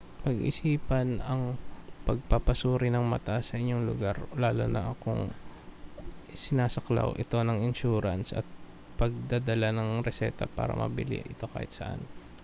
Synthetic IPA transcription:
pɐɡʔɪ̰siːpɐnɐŋpɐɡ̚pɐpɐsuːɾɪnɐŋmɐt̪aʔasːɐʔɪɲːoŋlʊɡaɾlaːlonɐ̰ʔɐkoŋ | sɪnaːsɐkla̰wʔɪ̰t̪o̞nɐŋɪnʃuːɾɐnsʔɐ̰t̪̚ | pɐɡ̚d̪ad̪ɐlanɐŋɾɛsɛːt̪ɐ̰pa̰ːɾɐ̰mʔɐ̰bɪlɪ̰ʔɪt̪o̞ka̰ːhɪt̪sɐʔa̰n

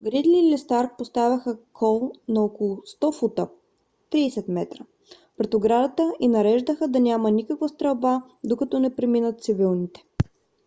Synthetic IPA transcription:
ɡɾid̪lilɛst̪aɾk̚post̪avʲɐxəkʰɔlˠnɐokolˠʊst̪ɔfut̪ə | t̪ɾiːsɛt̪mɛt̪ɾə | pɾɛt̪oɡɾad̪ət̪əʔinɐɾɛʒd̪əxəd̪ɐnʲamɐnikəkvəst̪ɾɐlba | d̪okɐt̪ɔnɛpɾɛminət̪̚t̪sibilˠnit̪ɛ̥

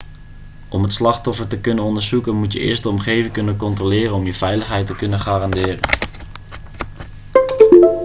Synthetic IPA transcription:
ʔɔmɦətslɑχtɔfəɹtəkɵnənɔndəɹzukənmutjəʔɪ̰ːɹstdəɔmχejvɪŋkɵnənkɔntroːlɪːrənɔmjəvɛjləχɦɛjtəkɵnənχaːrɑndɪːrə̰n

